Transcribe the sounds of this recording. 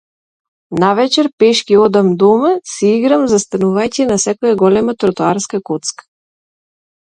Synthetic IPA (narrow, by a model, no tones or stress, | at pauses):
navɛt͡ʃɛɾpɛʃkʲiɔd̪amd̪ɔmasiiɡɾamzast̪anuvajcɛnasɛkɔjaɡɔlɛmat̪ɾɔt̪uaɾskakot̪skḁ